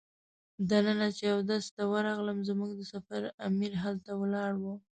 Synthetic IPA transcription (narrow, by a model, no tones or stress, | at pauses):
d̪anənat͡ʃejawd̪ast̪awəɾɑɣləmzmuɡd̪əsafaɾamiɾɦalt̪awəlɑɽwə